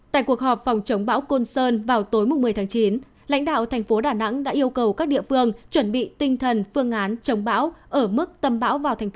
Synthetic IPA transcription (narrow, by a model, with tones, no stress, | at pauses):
t̪a̰ː˧˨jku˨˩ək̚hɔ˨˩p̚fɔ˨˩wŋ͡mt͡ɕə˨˦wŋ͡mɓa̰ː˧˥wko˧nsəː˧nvaː˨˩wt̪o˨˦jmʊ˨˩ŋ͡mmːɨ˩əjt̪ʰaː˨˦ŋt͡ɕi˨˦n | la̰˧˥jŋ̟ɗa̰ː˧˨wt̪ʰɛ˨˩ŋ̟fo˨˦ɗaː˧˨˩na̰˧˥ŋɗa̰ː˧˥ʔi˧əwkə˨˩wkaː˦˥k̚ɗḭ˧˨əfɨ˧əŋt͡ɕwə˧˩nɓḭ˧˨t̪ï˧ŋ̟t̪ʰə˨˩nfɨ˧əŋʔaː˨˦nt͡ɕə˨˦wŋ͡mɓa̰ː˧˥wʔəː˧˩mɨ˦˥k̚t̪ə˧mɓa̰ː˧˥wvaː˨˩t̪ʰŋ̟˦